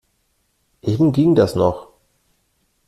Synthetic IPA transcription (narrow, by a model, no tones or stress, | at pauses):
ʔeːbm̩ɡiŋdasnɔχ